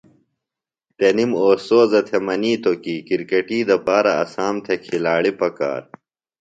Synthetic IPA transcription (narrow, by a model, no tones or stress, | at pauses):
t̪enimoːsoːzɐt̪ʰemɐniːt̪okiːkiɾkɐʈiːd̪ɐpaːɾɐɐ̰saːmt̪ʰekʰilaːɭipɐka̰ːɾ